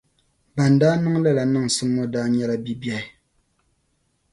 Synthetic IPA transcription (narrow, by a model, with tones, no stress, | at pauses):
ba˨ndaː˦nɨ˦ŋla˦la˨nɨ˦˨ŋ˨sɨ˦ŋːɔ˦daː˦ɲɛ˦la˦bi˦bjɛ˦ɪ˦